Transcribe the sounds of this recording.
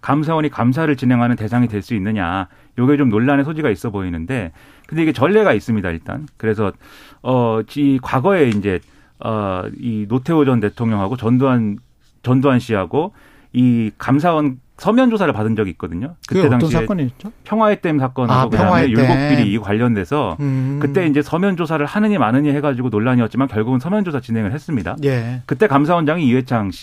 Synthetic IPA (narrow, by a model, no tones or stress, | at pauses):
kams̬ʰawʌɲikams̬ʰaɾɯɭt͡ɕine̞ŋɦanɯnte̞sʰaŋidwe̞ɭs͈uinːɯɲa̰ | joɡet͡ɕomnoɭːanesʰod͡ʑiɡais͈ʌboinɯnde̞ | kɯnde̞iɡe̞t͡ɕʌɭːe̞ɡais͈ɯmɲidaḭɭt͈a̰nkɯɾe̞sʰʌʌt͡ɕikwaɡʌe̞ind͡ʑe̞ | ʌ̰inotʰe̞od͡ʑʌnte̞tʰoŋɲʌŋɦaɡot͡ɕʌndoan | t͡ɕʌndoɦanɕʰiɦaɡo | ikams̬ʰawʌn | sʰʌmjʌnd͡ʑosʰaɾɯɭpadɯnd͡ʑʌɡiːk͈ʌdɯɲokɯt͈e̞daŋinit͡ɕopʰjʌŋwaet͈emsʰak͈ʌnɦaɡokɯdamejuɭɡok̚p͈iɾiːkwaʎːʌnde̞sʰʌkɯt͈e̞ind͡ʑe̞sʰʌmjʌnd͡ʑosʰaɾɯɭhanɯɲimanɯɲiɦe̞ɡad͡ʑiɡonoɭːaɲiʌt̚t͡ɕ͈imankjʌɭɡuɡɯnsʰʌmjʌnd͡ʑosʰat͡ɕine̞ŋɯɭɦes͈ɯmɲida̰jekɯt͈e̞kamsʰawʌnd͡ʑaŋiiwe̞t͡ɕʰaŋɕʰi̥